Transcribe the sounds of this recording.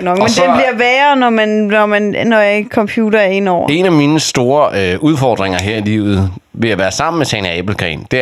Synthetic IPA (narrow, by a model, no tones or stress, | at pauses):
ɡ̥nɒ̽ɡmend̥enb̥liɐʋɛːɐnɒmænnɒmænnɒjkʰɒ̽mpʰjuːd̥ɐɐe̝nɒ̰e̝næminəsd̥o̝ːɐøʔuð̞ˠfɒd̥ʁeŋɐɦeɐ̰ilḭːʊð̞̩ˠ | ʋe̝jɑ̈ʋæːɐsɑ̈m̰n̩mesʰɛnæeb̥l̩kʰʁɛ̰nd̥e̝